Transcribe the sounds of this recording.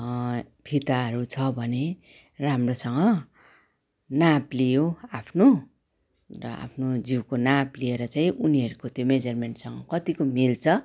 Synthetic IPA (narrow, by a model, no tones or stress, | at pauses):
pʰit̪aɦʌɾut͡sʰʌbʱʌne | ramrosʌŋɡʌ | naplijoapʰno | rʌa̰pʰnod͡ziwkonaplieɾʌt͡saĩʔuniɦʌɾukot̪jomed͡zʌrmeɳʈsʌŋɡʌkʌt̪ikomilt͡sʰʌ